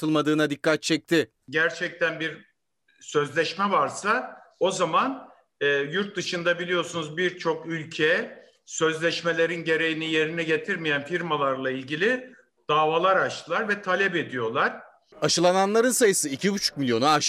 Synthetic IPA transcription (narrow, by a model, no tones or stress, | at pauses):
t̪ʰɯlˠmad̪ɯːnad̪ikːat̪̚t͡ʃʰɛc̚t̪ʰɪ | ɟæɾt͡ʃʰɛc̚t̪ʰænbiɾ | sø̞zlʲɛʃmɛvaɾsao̞zaman | ɛːjuɾt̪̚d̪ɯʃɯnd̪abilʲijo̞sunuzbiɾt͡ʃʰo̞kylʲcʰɛ | sø̞zlʲɛʃme̞lʲe̞ɾinɟe̞ɾe̞jinije̞ɾiniɟe̞t̪ʰiɾmijænfiɾmalˠaɾlˠailʲɟilʲi | d̪̥aːvalˠaɾat͡ʃt̪ʰɯlˠaɾvɛt̪ʰalʲɛpe̞d̪ijo̞lˠaɾ̥ | aʃɯlˠananlˠaɾɯnsajɯsɯicʰibut͡ʃʰu̥k̚milʲjo̞naaʃ